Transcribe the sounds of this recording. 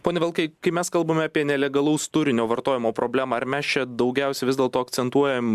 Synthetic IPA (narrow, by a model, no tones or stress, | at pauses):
poːnʲɛʋʲɛlˠkɐɪkɐɪmʲɛskɐlˠbɐmʲɛɑpʲiɛnʲɛlʲɛɡɐlˠɐʊst̪ʊɾʲɪnʲoːʋɐɾt̪oːjɪmoːpɾoːbʲlʲæːmɑːɐɾmʲɛst͡ʃʲɛd̪ɐʊɡʲɛʊsʲɛʋʲɪzd̪ʲɛːlˠt̪oːɐk̪sʲɛnt̪uɔjɛm